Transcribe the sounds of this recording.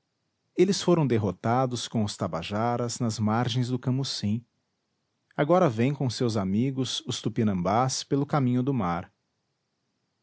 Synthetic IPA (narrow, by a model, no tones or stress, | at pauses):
elɪsfoɾɐ̃w̃d̪eɦot̪ad̪ʊskõʊst̪abaʒaɾɐznɐzmaɾʒẽj̃zd̪ʊkɐ̃musĩ | aɡɔɾɐvẽj̃kõsewzamiɡʊsʊst̪upinɐ̃mbaspelʊkamĩɲʊd̪ʊmaɾ